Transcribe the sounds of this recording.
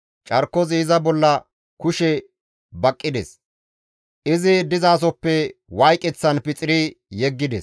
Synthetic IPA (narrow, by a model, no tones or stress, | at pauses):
t͡ʃʼɐɾkːɔziːzɐbɔlːɐ | kʊʃɛ | bɐkʼːɪd̪ɛ̰s | ʔɪzɪd̪ɪzaːs̬ɔpːɛwɐjkʼɛt͡sːɐnpɪt͡sʼɪɾɪjɛɡːɪd̪ɛ̰s